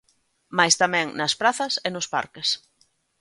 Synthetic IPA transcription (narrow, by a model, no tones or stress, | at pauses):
majst̪amɛ̃ŋnɐspɾaθɐsɪnʊspa̰ɾkɪs